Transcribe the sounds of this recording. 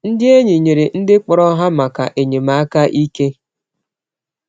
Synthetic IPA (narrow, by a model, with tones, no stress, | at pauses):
n̩˦dɪ˦e˦ɲɪ˨ɲe˨ɾe˨n̩˦dɪ˦k͡pɔ˨ɾɔ˦ɦa˦ma˨ka̰˨ʔe˨ɲe˨ma˨a˦ka˦ʔi˦ke˦